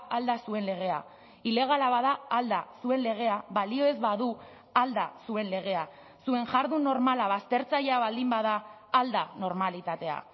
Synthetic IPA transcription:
ald̪asue̞nle̞ɣ̞e̞a | ile̞ɣ̞alaβaðaːld̪asue̞nle̞ɣ̞e̞aβalio̞e̞zβaðu | ald̪asue̞nle̞ɣ̞e̞a | sue̞ŋʝaɾðunːo̞ɾmalaβast̪e̞ɾt͡saʎeaβald̪imbaðaː | ld̪ano̞ɾmalit̪at̪e̞a̰

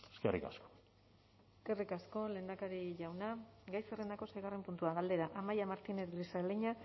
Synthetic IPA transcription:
eskerḭka̰sko̥ | eske̞rikasko̞le̞ːnd̪akaɾiʝawnaɡajserend̪ako̞sajɣare̞mpunt̪uaɣald̪e̞ɾaʔamajamaɾt̪ineðlisaleɲa

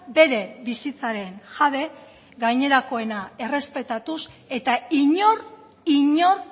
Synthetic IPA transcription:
be̞ɾe̞bisit͡saɾe̞nʝaðe̞ | ɡajɲe̞ɾako̞e̞nae̞re̞spe̞t̪at̪use̞t̪aiɲoɾ | iɲoɾ

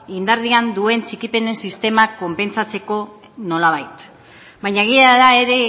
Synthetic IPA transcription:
ind̪aɾðiand̪ue̞nt͡sikipe̞nesist̪e̞mako̞mpe̞nt͡sat͡se̞ko̞ | no̞laβ̞ajt̪ | baɲaeɣ̞iaðae̞ɾe̞

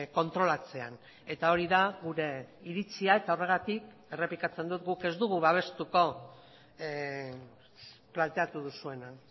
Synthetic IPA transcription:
ko̞nt̪ɾo̞lat͡se̞a̰n | e̞t̪ao̞ɾiðaɣuɾe̞iɾit͡siae̞t̪ao̞re̞ɣ̞at̪ik | e̞re̞plikat͡se̞nd̪ut̪ɡuke̞zd̪uɣ̞uβaβ̞e̞st̪uko̞ | plant̪e̞at̪uð̞usue̞nan

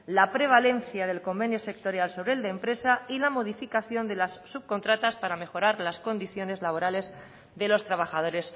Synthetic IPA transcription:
lapɾe̞β̞ale̞nθjað̞e̞lko̞mbe̞njose̞k̚t̪o̞ɾjalso̞β̞ɾeeld̪empɾe̞sailamo̞ðifikaθjo̞nd̪e̞lasːuβko̞nt̪ɾat̪aspaɾame̞xo̞ɾaɾlasko̞nd̪iθjo̞ne̞zlaβ̞o̞ɾale̞z | ðe̞lo̞st̪ɾaβaxað̞o̞ɾe̞s

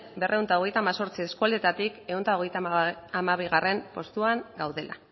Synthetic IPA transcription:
be̞rʔe̞uwnt̪aoɣ̞e̞jt̪aːmaso̞ɾt͡sie̞skuald̪e̞t̪at̪ike̞unt̪aoɣ̞e̞jt̪aamaβiɣare̞mpo̞st̪uaŋɡawðe̞la̰

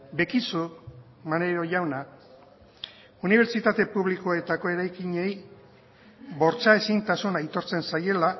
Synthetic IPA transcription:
be̞kisu | maneɾo̞ʝawna | uniβ̞e̞ɾt͡ʃit̪at̪e̞puβlikoet̪ako̞e̞ɾajkiɲe̞j | βo̞ɾt͡sae̞sint̪asunajt̪o̞ɾt͡se̞nsaje̞la

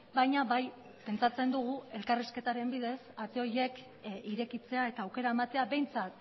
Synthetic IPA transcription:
bajɲaβaj | pe̞nt͡sat͡se̞nd̪uɣ̞ue̞lkariske̞t̪aɾe̞mbið̞e̞sat̪eo̞ɾje̞k | iɾe̞kit͡se̞ae̞t̪aːwke̞ɾaemat̪e̞aβe̞jnt͡sat̪

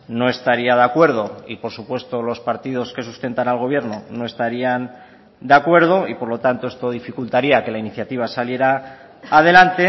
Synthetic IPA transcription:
no̞e̞st̪aɾiaðeakwe̞ɾð̞o̞ipo̞ɾsupwe̞st̪o̞lo̞spaɾt̪ið̞o̞ske̞sust̪e̞nt̪analɣ̞o̞βje̞ɾnono̞e̞st̪aɾian | d̪eakwe̞ɾð̞o̞ipo̞ɾlo̞t̪ant̪o̞est̪o̞ð̞ifikult̪aɾiake̞lainiθjat̪iβ̞asalje̞ɾaː | ð̞e̞lant̪e̞

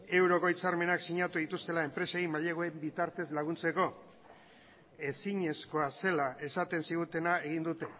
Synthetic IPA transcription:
e̞wɾo̞ko̞it͡saɾme̞naksiɲat̪uðit̪ust̪e̞lae̞mpɾe̞seimaʎeɣ̞oembit̪aɾt̪e̞zlaɣ̞unt͡se̞ko̞ | e̞siɲe̞sko̞ase̞laʔe̞sat̪e̞nsiɣ̞ut̪e̞nae̞ɣind̪ut̪e̞

